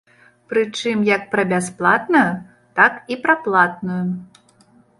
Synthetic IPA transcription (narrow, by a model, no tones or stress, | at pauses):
pɾɨt͡ʂɨmjɐk̚pɾɐbʲasplˠat̪nɐju | t̪akipɾɐplˠat̪̚nuju